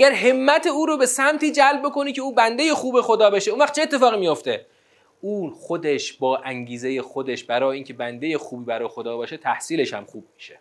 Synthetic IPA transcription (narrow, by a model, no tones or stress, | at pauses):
ʔæɡæɾɦe̞mːæt̪ʰeuːɾobesæmt̪ʰiːd͡ʒælb̚bo̞ko̞niːcʰe̞uːbænd̪e̞je̞xuːbe̞xo̞d̪ɒːbeʃeunvæχt͡ʃʰeet̪ːefɒːɣimijo̞ft̪e̞ | uːnxo̞d̪e̞ʃbɒːʔæŋɟiːzeje̞xod̪eʃbæɾɒːjeiːncʰe̞bænd̪e̞je̞xuːbiːbæɾɒːjexod̪ɒːbɒːʃet̪ʰæhsiːle̞ʃhæ̰mxuːb̚miːʃe